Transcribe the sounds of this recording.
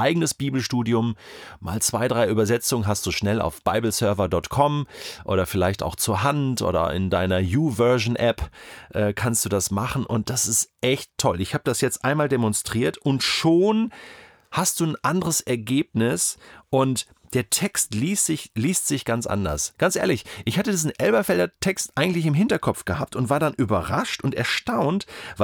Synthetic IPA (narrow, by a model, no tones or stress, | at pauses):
ʔaɪɡənəsb̥iːbl̩ʃtuːdiʊmma̰ːlt͡sv̥aɪdʁaɪʔyːbɐzɛt͡sʊŋənɦastd̥uːʃnɛla̰ʊfb̥aɪbl̩sœɐvɐdɔtkʰɔmʔo̰ːɾɐfɪlaɪçta̰ʊxt͡suːɐɦantʔo̰ːɾɐ̰ɪ̰ndaɪnɐjuːvœɐʒn̩ʔɛpʔɛːkʰanst̚d̥uːdasmaχn̩ʔʊ̰nt̚d̥asɪstʔɛçttʰːɔlɪçhaːbədasjɛt͡stʔaɪnmaːldemɔnstʁ̥iːɐtʔʊntʃoːn | hast̚d̥uːn̩ʔandəʁəsɛɐɡeːp̚nɪsʔʊnt | d̥eːɐtʰɛkstliːstz̥ɪçliːstz̥ɪçɡ̥ant͡sʔa̰ndɐ̰sɡ̥ant͡sʔeːɐlɪçʔɪçhatədiːzn̩ʔɛlbɐfɛldɐtʰɛkstʔaɪɡŋ̩tlɪçɪmɦɪntɐkʰɔpp͡fɡ̥əhaːp̚tʊntv̥aːɐdanʔyːbɐʁaʃtʊntɛɐʃtaʊntva